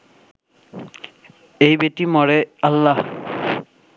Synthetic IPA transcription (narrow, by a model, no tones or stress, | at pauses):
ejbetimɔɹealːah